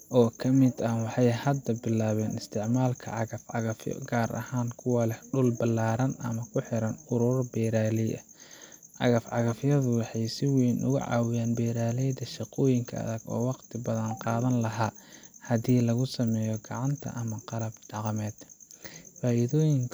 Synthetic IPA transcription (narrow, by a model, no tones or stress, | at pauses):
ʔɔːkʰɐmɪd̪ɐwɑħɑjhɐd̪ːɐbɪlaːβɛːnɪst̪ʰɪʕmaːlkʰɐ̰ʕɑɣɐfʕɑɣɐfjɔ̰ɡaːɾʔɐ̰haːnkʰʊwaːlɛhɖʊlbɐlːaːɾɐnʔɐ̰mɐkʰʊħɪɾɐnʊɾʊɾbɛːɾaːlɛjɐ̰ | ʕɑ̰ɣɐfʕɑɣɐfjɐðʊwɑħɑjsɪwiːnʔʊ̰ɣʊ̰ʕɑ̰ːwɪjaːnbɛːɾaːlɛjd̪ɐʃɑqɔːjɪŋkʰɐɐ̰ðɐɡɔ̰ːwɑqt̪ʰɪbɐðɐnqɑːðɐnlɐɦaːhɐdiːlɐɣʊsɐmɛːjɔɡɑʕɑnt̪ʰɐ̰ʔɐmɐqɑlɐbɖɑqmɛːd̪̥ | faːʔɪðɔːjɪŋkʰ